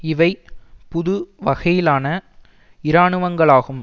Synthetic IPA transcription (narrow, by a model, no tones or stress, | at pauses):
ɪʋɐɪpʊðɯʋɐɣɐjɪlaːnɐ | ɪɾaːɳɯʋɐŋɡɐɭaːɣɯm